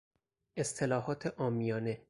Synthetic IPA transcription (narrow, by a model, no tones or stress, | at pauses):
ʔest̪ʰe̞lɒːɦɒːt̪ʰeʔɒːmijɒːne̞